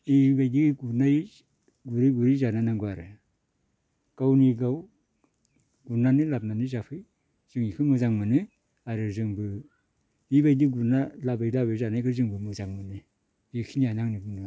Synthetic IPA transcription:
ibajdiɡunaj | ɡuɾiɡuɾijzananaŋɡuaɾɯ | ɡ̥awniɡaw | ɡunanɯlab̚nanɯzapʰɯj | z̥ɯŋikʰɯmɯzaŋmɯnɯ | aɾɯzɯŋbɯ | ibajdiɡuɾnalabajlabɯjzanajkʰɯzɯŋbɯmɯzaŋmɯnɯ | ikʰinianaŋnɯbɯnɯ

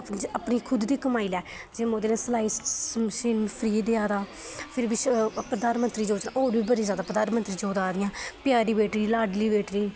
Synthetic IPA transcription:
əpniːkʰʊd̪d̪iːkəmaːiːlɛː | d͡ʒemoːd̪eːnẽslaːiːʃɪnpʰɾiːd̪eaːd̪aː | pʰɪɾbiːpəd̪aːnmənt̪ɾiːd͡ʒoːd͡ʒnãoːɾbiːbəd̪ĩzjaːd̪aːpəd̪aːnmə̃nt̪ɾiːd͡ʒoːd̪aːd̪ɪjãːpɪjaːɾiːbeːʈɾiːlaːɖliːbeːʈɾiː

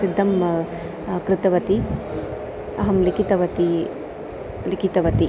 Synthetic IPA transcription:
sid̪ʱːɐm | kɾɪt̪ɐʋɐt̪i | ɐɦɐmlikit̪ɐʋɐt̪i | likit̪ɐʋɐt̪i

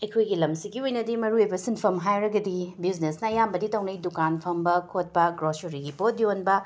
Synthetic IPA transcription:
ɐjkʰojɡilɐmsiɡiojnɐdimɐɾuejbɐsinpʰɐmɦajɾɐɡɐdibiznesnɐɐjambɐditʰɐwnɐjdukanpʰɐmbɐkʰot̚pɐɡɾosuɾiɡipot̚ionbɐ

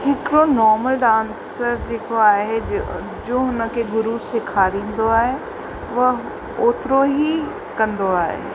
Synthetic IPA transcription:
hɪkɪɾonɔːɾməlɖãːn | səɾd͡ʑeːkoaːɦe | d͡ʑõːɦʊnə̆kʰeɡʊɾuseːkʰaːɾĩːn̆d̪oaːɦe | ʋɐ | oːt̪ɾoɦi | kɐ̃nd̪oaːɦḛ

